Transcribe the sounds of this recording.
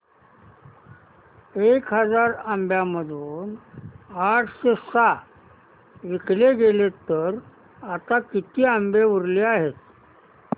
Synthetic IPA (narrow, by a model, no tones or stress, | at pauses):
ekɦəd͡zaɾambjaməd̪ʱuːn | aʈʰɕesa | ʋikleɡelet̪əɾ | at̪akit̪iːambeʋuɾleaɦet̪